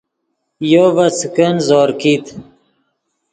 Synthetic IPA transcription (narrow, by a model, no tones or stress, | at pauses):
jovɐt͡skənzoːɾkit̪